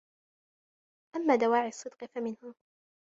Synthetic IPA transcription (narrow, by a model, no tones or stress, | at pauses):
ʔamːaːd̪awaːʕɪɑsˤːɨd̪qfamɪnhʊ